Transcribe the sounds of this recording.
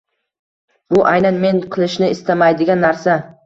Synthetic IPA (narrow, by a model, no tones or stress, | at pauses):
b̥ʊʔajnanme̞ɴqʰɨlˠɪʃnɪɪst̪amajd̪ɪɡʲanːaɾsa